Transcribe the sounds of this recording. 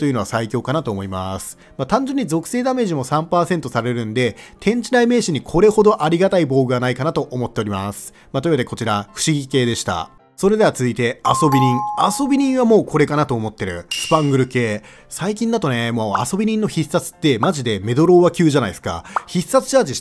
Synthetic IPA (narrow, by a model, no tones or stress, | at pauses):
t̪o̞iɯ̟no̞βasaikʲo̞ːkanat̪o̞ːmo̞imasɨ̥ | mat̪ãɲ̟d͡ʑɨɲ̟ːizo̞kɯ̟̥se̞ːd̪ame̞ʑimo̞sãmpaːse̞nt̪o̞saɾe̞ɾɯ̟̃nd̪e̞t̪ʰẽ̞ɲ̟t͡ɕid̪aime̞ːɕiɲ̟ːikʰo̞ɾe̞ho̞d̪o̞ʔaɾʲiɡat̪aibo̞ːɡɯ̟ɡanaikanat̪o̞ʔomo̞t̪ːe̞o̞ɾʲimasɨ̥ | mat̪o̞iβat̪eko̞t͡ɕiɾaɸɯ̟̥ɕiɡʲike̞ːd̪e̞ɕi̥t̪a̰ | so̞ɾe̞d̪e̞at͡sɨit̪e̞aso̞bʲiɲĩŋaso̞bʲiɲ̟ĩɰ̃βamo̞ːkʰo̞ɾe̞kanat̪o̞ːmo̞t̪ːe̞ɾɯ̟̰sɨ̥pãŋɡɯ̟ɾɯ̟ke̞ː | saik̬ʲĩnd̪at̪o̞ne̞mo̞ːa̰so̞bʲiɲ̟ĩnːo̞çisːat͡sɨ̥t̪ːe̞maʑid̪e̞me̞d̪o̞ɾo̞ːβakʲɨːʑanaisɨ̥ka̰çisːat͡sɨ̥ʑaːʑiɕ